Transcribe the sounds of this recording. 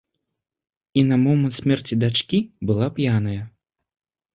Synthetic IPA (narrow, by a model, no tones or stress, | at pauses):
inɐmɔmɨnt̪sʲmʲɛrt͡sʲid̪at͡ʂkʲibɨlˠapjanɐjɐ